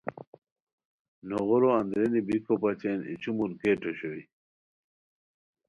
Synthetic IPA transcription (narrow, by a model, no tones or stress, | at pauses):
noɣoɾoɐnd̪ɾenibikopɐt͡ɕenḭt͡ɕumulkeːʈoɕowi